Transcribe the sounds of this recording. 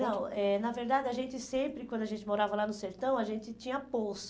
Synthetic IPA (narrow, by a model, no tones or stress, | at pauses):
nɐ̃w̃ɛnɐveɾd̪ad̪ɪɐʒẽnt͡ʃɪsẽmpɾɪkwɐ̃nd̪ʊɐʒẽnt͡ʃɪmoɾavɐlanʊseɾt̪ɐ̃w̃ɐʒẽnt͡ʃ̪ɪt͡ʃĩɲɐpos